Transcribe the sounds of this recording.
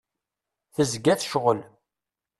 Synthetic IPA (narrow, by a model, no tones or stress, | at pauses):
θəzɡæθʃʁəl